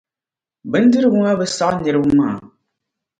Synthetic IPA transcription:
bɨ˨˦n̩˦dɨ˦ɾɨ˦ɣu˦ŋa˦bə˦sa˦˨˦nɛ˨ɾɨ˦bma̰˦˨

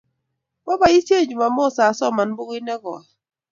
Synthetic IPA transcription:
bɔ˦ba˨i˦t͡ʃe˦˨d͡ʒu˨ma˨mɔ˦˨sa˨sɔ˦˨ma˨nbo˦ɡi˦nɛ˦ɡɔ̰˨ɛ˨

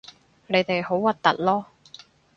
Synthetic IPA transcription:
ne˨˧jt̪e˨jho˨˥wɐ˨t̚t̪ɐ̰˨t̚lɔː˥

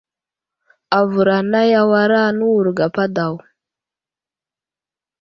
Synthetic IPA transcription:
a˨vu˨ɾa˨na˦ja˦wa˦ɾa˦nu˦wu˨ɾɡa˨pa˦da˨w

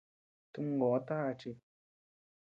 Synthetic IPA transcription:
tu˦ŋ̩˦ɡɔ˨˦taː˦˨t͡ʃi˦˨

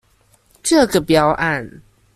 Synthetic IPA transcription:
ʈ͡ʂɤ˥˨ɡə˨pjɑ˦ʊʔa˥˨n

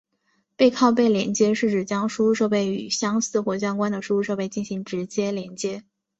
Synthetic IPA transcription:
pe˥˧ɪkʰɑ˥˧ʊpe˥˩ɪljɛ˧˥nt͡ɕjɛ˥ʂɻ̩˥˩ʈ͡ʂɻ̩˨˩t͡ɕjɑ˥ŋʂu˥˧ʂɤ˥˧pe˥˩ɪy˨˩ɕjɑ˥ŋsɹ̩˥˩xwɔ˧˥t͡ɕjɑ˥ŋkwa˥nd̪ə˨ʂu˥˧ʂɤ˥˧pe˥˧ɪt͡ɕi˥˩nɕi˧˥ŋʈ͡ʂɻ̩˧˥t͡ɕjɛ˥ljɛ˧˥nt͡ɕjɛ˥

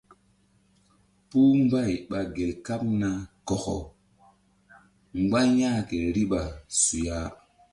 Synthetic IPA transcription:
pu˦m˦ba˦˨jɓa˨ɡe˨lka˦p̚na˨kɔ˦xɔ̰˨ | ŋ͡mɡ͡ba˦ja˦ke˨ɾi˦ɓa˨su˨ja˨˦

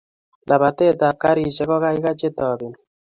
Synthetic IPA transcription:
na˨βa˨te˦ta˨ka˦ɾi˨ʃe˦kɔ˦ka˦i˦ka˦t͡ʃe˦tɔ˨bi˨ni

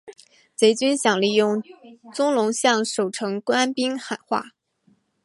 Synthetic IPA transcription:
t͡se˧˥ɪt͡ɕy˥nɕjɑ˨˩ŋli˥˩jʊ˥˩ŋt͡sʊ˥ŋlʊ˧˥ŋɕjɑ˥˩ŋʂo˨˩ʊʈ͡ʂʰɤ˧˥ŋkwa˥npi˥ŋxa˨˩nxwa̰˥˩

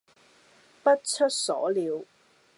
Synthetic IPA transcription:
pɐ˥t̚t͡ʃʰɵ˥t̚sɔ̰ː˨˥liː˨˧w

